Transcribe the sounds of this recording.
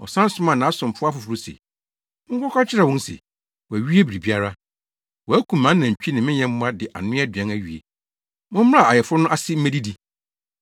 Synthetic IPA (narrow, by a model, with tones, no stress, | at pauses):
ɔ̰˨sã˦n˦sʊ̃˦mã˨nã˨˦sʊ̃˨m˨fʊ˦a˦fʊ˨fʊ˨ɾu˦sḛ̃˨˦ | kʰɔ˦kʰʷa˦t͡ɕʰɪ˦ɾa˨wʊ̃˦n˦sḛ˨ | wɔ˨æ˨ɥi˦e˦bi˨ɾi˨bi˦a˦ɾa˦ | wɔ˨æ˦kʰũ˨mːã˨˦n˦nã˨ɲ̩˨t͡ɕᶣi˦nɪ̃˨mɪ̃˦ɲɛ̃˦m̩˦mʊ̃˦a˦dɪ˨ʔa̰˨nʊ̃˦a˦dɥɛ̃˦næ˦ɥi˨ḛ˨ | mʊ̃˦m̩˦m˦a˦˨a˨jɛ˨fʊ˦ʊ˦nʊ̃˦ʔa˦sɪ˦m̩˦mæ̃˦di˦di˦